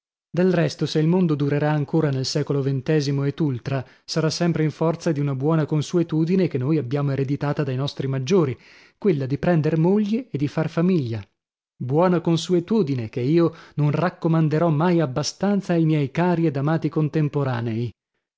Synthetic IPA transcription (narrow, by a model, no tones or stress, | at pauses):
d̪elrɛst̪oseilmond̪od̪uɾeɾaːŋkoːɾanelsɛːkolovent̪ɛːzimoed̪ult̪ɾa | saɾasːɛmpɾeiɱfɔrt̪sad̪iunabwɔːnakonsuet̪uːd̪inekenːojabːjaːmoeɾed̪it̪aːt̪ad̪ajnɔst̪ɾimad͡ʒːoːɾi | kwelːad̪ipɾɛnd̪eɾmoʎːeːd̪ifarfamiʎːa | bwɔːnakonsuet̪uːd̪inekeiːononrakːomand̪eɾɔmːajabːast̪ant̪saːjmjɛjkaːɾied̪amaːt̪ikont̪empoɾaːnei